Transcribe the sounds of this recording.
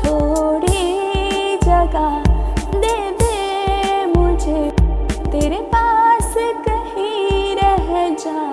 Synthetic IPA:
t̪ʰoːɽi | d͡ʒɐɡa | d̪eʋe | mʊ̃d͡ʒʱet̪eːɾepaskɐɦĩɾɛɦɛd͡ʒaː

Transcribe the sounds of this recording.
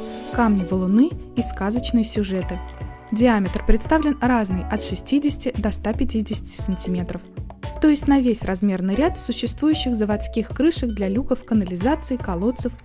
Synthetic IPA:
kamnʲɪvəlˠʊnɨiskazət͡ɕnɨjsʲʊʐɛt̪ɨ | dʲɪamʲɪt̪rpɾʲɪt̪st̪avlʲɪnraznɨjɐt̪ʂɨsʲtʲidʲɪsʲtʲɪd̪ɐst̪apʲɪtʲidʲɪsʲɪ̥tʲɪ̥sənʲtʲɪmʲe̞t̪ɾəft̪o̞jɪsʲtʲnɐvʲesʲrɐzmʲe̞rnɨjɾʲat̪sʊɕːɪst̪vujʉɕːɪxzəvɐt̪skʲixkɾɨʂɨxd̪lʲɐlʲukəfkənəlʲɪzat̪sɨɪkɐlˠo̞t̪səf

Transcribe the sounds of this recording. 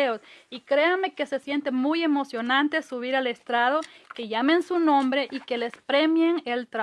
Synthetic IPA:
eosikɾeame̞ke̞se̞sje̞nt̪emuje̞mo̞sjo̞nãnt̪e̞suβiɾale̞st̪ɾaðoke̞ʝamensunõ̞mbɾe̞ʔike̞lespɾe̞mjeŋelt̪ɾa

